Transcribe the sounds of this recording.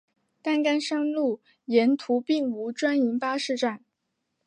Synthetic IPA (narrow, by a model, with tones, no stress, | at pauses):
t̪a˥˩nka˥nʂɤ˥ŋlu˥˩ | jɛ˧˥nt̪ʰu˧˥pi˥˩ŋu˧˥ʈ͡ʂwa˥ni˧˥npa˥ʂɻ̩˥˧ʈ͡ʂa˥˩n